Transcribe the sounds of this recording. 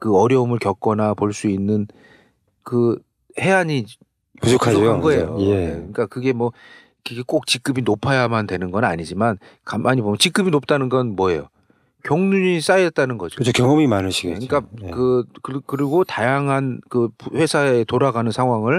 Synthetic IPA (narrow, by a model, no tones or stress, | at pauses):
kɯʌɾjʌɯmɯɭkjʌk͈ʌnapoɭs͈uinːɯn | kɯ | he̞aɲi | pusokʰaoɡoejoeekɯɲik͈akɯɡe̞mwʌ | kɯɡek͈ok̚t͡ɕik͈ɯbinopʰajamandwe̞nɯnɡʌnaɲid͡ʑiman | kamʔaɲibomjʌnt͡ɕik͈ɯbinop̚t͈anɯnɡʌnmwʌe̞̰jo | kjʌŋnuɲis͈ajʌt̚t͈anɯnɡʌd͡ʑi̥kɯt͡ɕʰokjʌŋʌmimanɯɕʰiɡekɯɲik͈akɯkɯkɯɾiɡotajaŋɦankɯpɸwe̞sʰaetoɾaɡanɯnsʰaŋɦwaŋɯɭ